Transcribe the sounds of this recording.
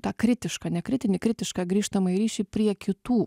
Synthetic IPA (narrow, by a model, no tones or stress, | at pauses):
t̪ɑːkɾʲɪt̪ʲɪʃkɑːnʲɛkɾʲɪt̪ʲɪnʲɪkɾʲɪt̪ʲɪʃkɑɡɾʲiːʃt̪ɐmɐɪɾʲiːʃʲipʲɾʲiɛkʲɪt̪uː